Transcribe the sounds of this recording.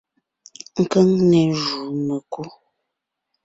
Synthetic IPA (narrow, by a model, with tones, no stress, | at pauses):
ŋ̩˨kə˦ŋne˨ʒu˨nə˨ku˦